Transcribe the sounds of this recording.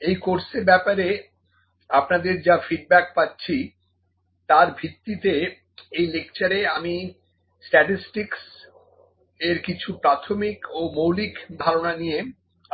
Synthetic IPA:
ejkoɾseɾbɛpaɾe | apnad̪eɾd͡ʑafiɖ̚bɛk̚patːɕʰi | t̪aɾbʱit̪ːit̪e | ejlek̚t͡ɕaɾeami | sʈɛʈisʈiks | eɾkit͡ɕʰupɾat̪ʰomikomowlikd̪ʱaɾonanije

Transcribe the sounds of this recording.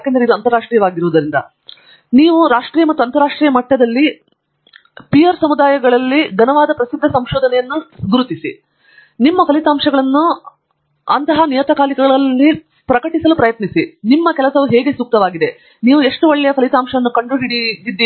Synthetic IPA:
jaːkeːnd̪ɾeid̪uɐnt̪ɐɾaːʂʈɾiːjɐʋaːɡiɾoːd̪ɐɾind̪ɐ̰ | niːʋuɾaːʂʈɾiːjɐmɐt̪ːuɐnt̪ɐɾaːʂʈɾiːjɐmɐʈːɐd̪ɐlːi | pijɐɾsɐmud̪aːjɐɡɐɭɐlːiɡɐnɐʋaːd̪ɐpɾɐsid̪ʱːɐsɐmʃɔːd̪ɐnɛjɐnːuɡuɾut̪isi | nimːɐpʰɐlit̪aːmʂɐɡɐɭɐnːu | ɐnt̪ɐɦɐnijɐt̪ɐkaːlikɐɡɐɭɐlːi | pɾɐkɐʈisɐlupɾɐjɐt̪nisinimːɐkɛlɐsɐʋuɦɛːɡe̞suːk̚t̪ɐʋaːɡid̪e̞ | niːʋue̞ʂʈuʋɔɭːɛjɐpʰɐlit̪aːmʂɐʋɐnːukɐɳɖuɦiɽiɡ̪id̪ːi

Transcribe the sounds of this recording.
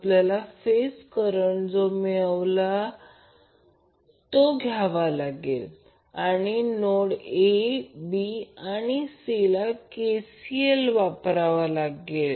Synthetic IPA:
apljalafeskəɾəɳd͡zomeɭʋla | t̪oɡʱjaʋalaɡel | aɽ̃inoɽebiañisilakesielʋapɾaʋalaɡel

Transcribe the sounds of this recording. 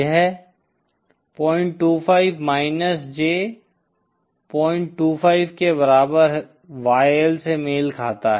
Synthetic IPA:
əɦɛ | pɔ̃ːɪ̃ɳʈʈːuːpʰaːɪbmaːɪnəsd͡ʒeː | pɔːɪ̃ɳʈːuːpʰaːɪbkebɐɾaːbəɾ | ʋaːjəlsemeːlkʰaːt̪aɦ

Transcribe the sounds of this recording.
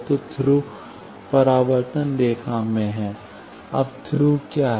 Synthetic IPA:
t̪ot̪ʰɾu | pɐɾaːʋəɾt̪ənd̪eːkʰamẽɦɛ̃ | ɐ̰bt̪ʰɾuːkjaːɦ

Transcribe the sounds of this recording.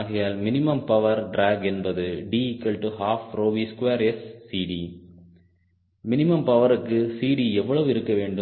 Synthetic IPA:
ɣɐjaːlmɪnɪmɐmpɐʋɐɾɖɾaːɡɛnbɐðɯɖikːɐlʈuɦaːfɾoːʋiːskʊʋeːɾɛsːiːɽi | mɪnɪmɐmpɐʋɐɾɯkːɯsiːɽiɛʋːɐɭɐʋɯɪɾɯkːɐʋeːɳɖɯ

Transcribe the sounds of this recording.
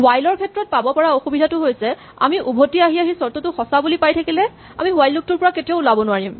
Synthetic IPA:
wajlɔɹkʰɛtɹɔt̚pabɔpɔɹaoxubidʱatʊɦojsɛ | a̰miʔubʱotiaɦiaɦisɔɹtotʊxɔsabulipajtʰakilɛ | a̰miwajluk̚tʊɹpɔɹaketiaʊlabɔnʊaɹim

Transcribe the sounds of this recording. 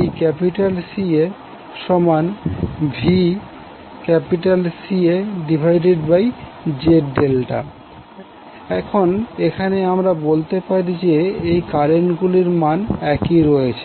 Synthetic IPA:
ejkɛpiʈalsie | ʃɔmanbʱi | kɛpiʈalsieɖibʱajɖeɖbaj | d͡ʑeɖelʈa̰ | ɛkʰonekʰaneamɾabolt̪epaɾid͡ʑeejkaɾenɡuliɾmanɛkiɾɔjet͡ɕʰe

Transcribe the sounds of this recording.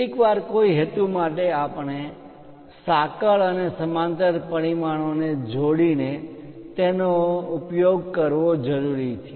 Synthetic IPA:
ikʋaɾkoiɦet̪umaʈeapɳ̃e | sakəɭənesəmãnt̪əɾpəɽ̃imaɽ̃oned͡ʒoɽinet̪enoʊpjoɡ̚kəɾʋod͡ʒəɾuɾit͡ʃʰ

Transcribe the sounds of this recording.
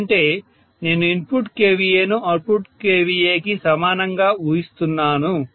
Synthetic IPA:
ɳʈe̞ː | ne̞ːnuinpuʈkeːʋijeːnuʔɐpuʈkeːʋijeːkisɐmaːnɐŋɡaːuːjist̪unːaːnu

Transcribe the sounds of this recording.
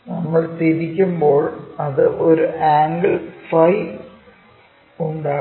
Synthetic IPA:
nɐmːɐɭt̪iɾikʲːumbo̞ːɭɐðɨʔoɾuʔaːŋɡɐɭfɐj | uɳɖaː

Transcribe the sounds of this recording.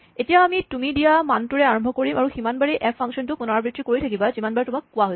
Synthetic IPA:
etijaamitumidijamantuɹɛaɹɔmbʱɔkoɹimaɹuximanbaɹiʔɛpʰːaŋkʃɔntʊkʊnaɹbɹitɹikoɹitʰakibazimanbaɹɛtʊmakːʊaɦoj

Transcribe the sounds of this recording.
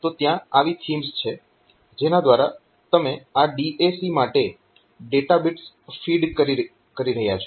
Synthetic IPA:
t̪ot̪jãaʋit̪ʰimst͡ʃʰe | d͡ʒenad̪ʋaɾa | t̪əmeaɖiʔesimaʈe | ɖeʈabiʈs | fiɖkəɾi | kəɾiɾəɦjat͡ʃʰo

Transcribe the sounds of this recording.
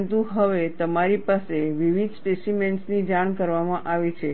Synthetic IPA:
nt̪uɦəʋet̪əmaɾipaseʋiʋid̪spesimeɳʈsnid͡ʒaɽ̃kəɾʋamãʔaʋit͡ʃʰe

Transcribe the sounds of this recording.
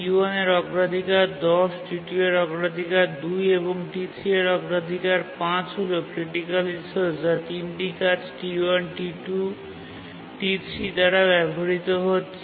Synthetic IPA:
uaneɾɔɡɾad̪ʱikaɾd̪ɔsʈiʈueɾɔɡɾad̪ʱikaɾd̪ujeboŋʈit̪ʰɾieɾɔɡɾad̪ʱikaɾpãt͡ɕɦolekɾiʈikalinsold͡ʑat̪inʈikat͡ɕʈiuanʈiʈu | ʈit̪ɾid̪aɾabɛbʱoɾit̪oɦotːɕʰe

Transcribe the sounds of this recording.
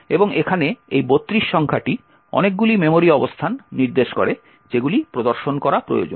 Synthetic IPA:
eboŋekʰaneejbot̪ːɾiʃːɔŋkʰaʈi | ɔ̰nek̚ɡulimemoɾiɔbost̪ʰanːiɾd̪eʃko̰ɾe | d͡ʑeɡulipɾod̪oɾʃonkɔɾapɾo̰jo̰d͡ʑo̰n

